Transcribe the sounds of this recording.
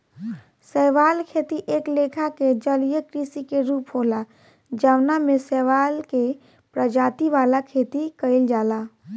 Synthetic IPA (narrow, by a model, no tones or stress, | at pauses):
sɛːʋaːlkʰeːt̪iʔeːkleːkʰaked͡ʒəljəkɾiːsikeɾuːpɦoːla | d͡ʒaʋnamẽsɛːʋaːlke | pɾəd͡ʒaːt̪iʋaːlakʰeːt̪ikəɪld͡ʒaːlaː